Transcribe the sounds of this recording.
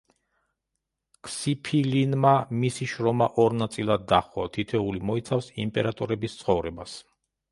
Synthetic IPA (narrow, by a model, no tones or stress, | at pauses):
kʰsipʰilinmamisiʃɾɔmaʔɔɾnat̪sʼilˠad̪ːaχɔt̪ʰit̪ʰɛulimɔit̪sʰafsimpʼɛɾat̪ʼɔɾɛbist̪sʰχɔvɾɛbas